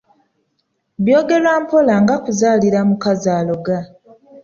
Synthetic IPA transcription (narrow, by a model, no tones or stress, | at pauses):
βjo̞ːɡe̞lwaːmpo̞laŋɡakuzaːliɾamukazaːlo̞ɡa